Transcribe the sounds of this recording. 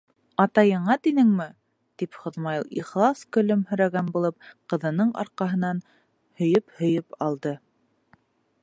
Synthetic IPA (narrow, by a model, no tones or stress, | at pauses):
ɑt̪ɑjɤ̆ɴɑt̪inɘŋmɘ | t̪ipχŏðmɑjlˠiχlˠɑskɵ̆lɵmhɵ̆ɾæɡænbulˠɤp̚qɤ̆ðɤ̆nɤɴɑ̰ɾqɑɦɤ̆nɑn | hɵ̆jɵphɵ̆jɵpɑlˠd̪ɤ